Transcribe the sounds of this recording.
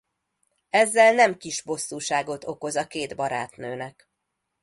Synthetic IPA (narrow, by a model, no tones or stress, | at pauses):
ɛzːɛlnɛmkiʒbo̞sːuːʃaːɡo̞t̪o̞ko̞zɒkeːd̪bɒɾa̰ːt̪nøːnɛk